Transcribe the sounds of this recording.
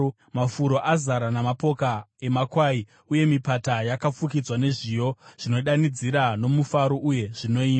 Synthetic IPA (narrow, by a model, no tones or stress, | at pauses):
mafuɾo̞ʔazaɾanamapo̞kae̞makwai | uje̞mipatajakap͡fukid͡zwane̞ʐijo̞ʐ̥ino̞ɗanid͡ziɾano̞mufaɾo̞ʔuje̞ʐ̥ino̞iːa